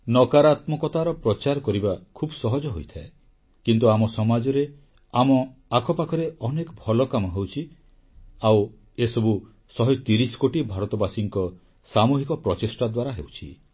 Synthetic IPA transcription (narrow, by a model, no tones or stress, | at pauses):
nɔkaɾat̪mɔkɔt̪aɾɔpɾɔt͡ʃaɾkɔɾibakʰubɔsɔɦɔd͡ʒɔɦojt̪ʰae | kint̪uamɔsɔmad͡ʒɔɾe | amɔakʰɔpakʰɔɾeɔnekɔbʱɔlɔkamɔɦewt͡ʃʰi | aw | esɔbu | sɔɦɔt̪iɾisɔ̥koʈibʱaɾɔt̪ɔbasiŋkɔ | samuɦikɔpɾɔt͡ʃesʈad̪waɾaɦḛwt͡ʃʰḭ